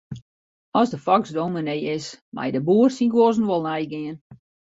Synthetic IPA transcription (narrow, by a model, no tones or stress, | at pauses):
ɔzdəfɔkzdowmənejɪsmɛ̰jdəbuːərsinɡwozn̩ʋɔlˠnɛjɡɪən